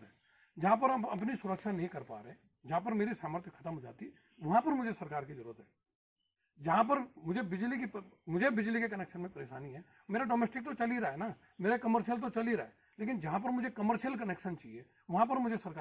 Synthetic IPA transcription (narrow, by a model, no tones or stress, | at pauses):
t̪ɦɛː | d͡ʒɐɦãp̬ɐɾɐbɐpnisʊɾəkʃanɐɦĩkɐɾpa̰ːɾe | d͡ʒɐɦãpɐɾmeːɾisaːməɾt̪ʰjəkʰə̥ɐt̪əmɦod͡ʒa̰ːt̪i | ʋɐɦãpɐɾmʊd͡ʒʱesɐɾkaːɾkezɐɾuːɾət̪ɦɛː | d͡ʒɐɦãp̬ɐɾmʊd͡ʒʱebɪd͡ʒlikepmʊd͡ʒʱebɪd͡ʒlikekɐneːkʃənmẽpɐɾeːʃaːniɦɛː | meːɾaɖoːmɛːsʈɪk̚t̪ot͡ʃɐliɾaːena | meːɾekɐməɾʃijəlt̪̬ot͡ʃɐliɾaːeː | leːk̬ɪnd͡ʒɐɦãp̬ɐɾmʊd͡ʒʱekɐməɾʃjəlk̬ɐneːkʃənt͡ʃaieː | ʋɐɦãpɐɾmʊd͡ʒʱesɐɾkaː